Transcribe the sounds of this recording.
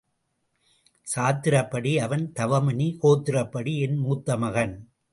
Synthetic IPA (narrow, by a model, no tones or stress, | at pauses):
saːt̪ːɪɾɐpːɐɽiɐʋɐnt̪ɐʋɐmɐnikoːt̪ːɪɾɐpːɐɽiɛnmuːt̪ːɐmɐɣɐn